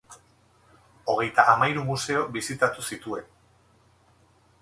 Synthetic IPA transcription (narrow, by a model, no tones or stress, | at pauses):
o̞ɣ̞e̞jt̪aʔamaiɾumuse̞o̞bisit̪at̪usit̪ue̞n